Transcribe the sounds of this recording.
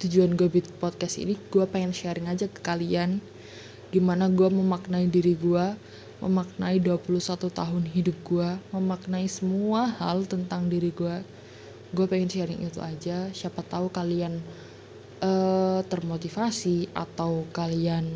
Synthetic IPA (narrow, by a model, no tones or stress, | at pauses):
t̪ud͡ʒuanɡuabɪt̪̚pɔt̪̚kɛsḭniɡ̥uapeŋɪnʃɛɾɪŋad͡ʒakə̥kalian | ɡ̥imanaɡuaməmaknaidiɾiɡua | mʔə̰mak̚naiduapuluhsat̪ut̪aɦʊnɦidʊp̚ɡuaməmak̚naisəmuahalt̪ənt̪aŋdiɾiɡua | ɡuapeŋɪnʃɛɾɪŋʔit̪ṵʔad͡ʒaʃapat̪ːaukalian | ʔət̪ərmot̪ifasia̰t̪awkalian